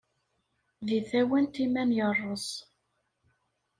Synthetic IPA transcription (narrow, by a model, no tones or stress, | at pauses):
ðiθæwænt̪imænjərˤːəs